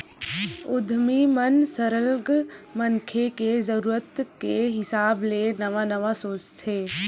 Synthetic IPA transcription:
ʊd̪ʱmimənsəɾəlɡmənkʰekezəɾuːɾət̪kːeɦɪsaːblenəʋanəʋasoːt͡ʃt̪ʰeː

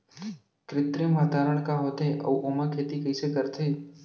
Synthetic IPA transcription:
kɾɪt̪ɾemaːd̪ʱaːɾəɽ̃kaɦoːt̪eʔɔ̰ːʔoːmakʰeːt̪ikɐisekəɾt̪ʰeː

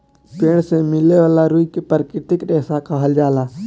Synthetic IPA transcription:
peːɳ̃sẽmɪleʋaːlaːɾuːikepəɾkɪt̪ɪkɗeːsakaɦəld͡ʒaːlaː

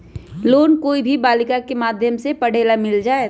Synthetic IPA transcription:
loːnkoːibʱibaːlɪkakemaːd̪ʱjəmsepɐɽ̤eːlamɪld͡ʒaːe

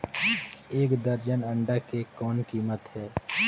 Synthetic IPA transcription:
eːkd̪əɾd͡ʒənə̃ɳɖakekɔːnkiːmət̪ɦɛː

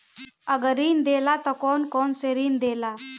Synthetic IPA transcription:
əɡəɾiːnd̪elat̪ɔkɔnkɔnseɾiːnd̪ela

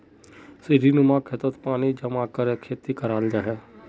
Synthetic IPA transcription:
siɾinʊmakʰet̪ət̪paːnid͡ʒɐmaːkəɾekʰːeːt̪ikəɾaːld͡ʒaːɦɛː

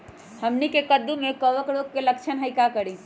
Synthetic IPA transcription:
həmnikekəd̪ũmẽkəʋəkɽokeləkt͡ʃʰənɦaikakəɾi

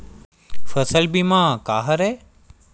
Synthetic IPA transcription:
fəsəlbimãːkaːɦəɾeː

